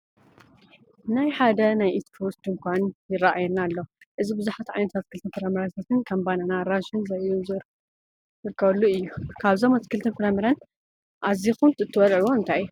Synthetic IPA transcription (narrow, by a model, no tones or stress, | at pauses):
najħad̪ɐnajʔit̪pʰost̪ɨŋkʷʰanjɪraʔajɛnalːo̞ | ʔɨzibɨzuħat̪ʕajnɐt̪ʰat̪kʰɨlt̪ʰɨnkɨɾɐmɨɾat̪ʰat̪ʰɨnkʰɐmbananaɾaʃonzɐjuzɨɾ | zɨɾkʰːɐβɐlːuɨjːukʰaβzo̞mat̪kʰɨlt̪ʰɨnkʰɨɾɐmɨɾɐn | ʔazixumt̪ʰɨt̪ʰːɨwɐlʕwomɨnt̪ʰajːu